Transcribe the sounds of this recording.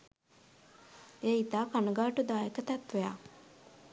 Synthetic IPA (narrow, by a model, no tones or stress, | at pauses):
eːit̪aːkanəɡaːʈud̪aːekət̪ɛt̪ʋeja̰ː